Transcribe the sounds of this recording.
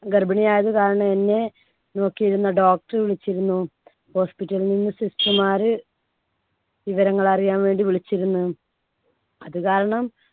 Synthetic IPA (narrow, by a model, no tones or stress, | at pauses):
ɡɐrbɐɳijaːjɐðɨkaːɾɐɳɐme̞nːe̞ | no̞ːkːijiɾunːɐɖo̞ːk̚ʈɐrʋiɭit͡ɕːiɾunːu | ho̞ːspitːɐlninːɨsistɐmaːɾɨ | ʋiʋɐɾɐŋːɐɭɐrijaːnʋe̞ːɳɖiʋiɭit͡ɕːiɾunːu | ɐðɨkaːɾɐɳɐm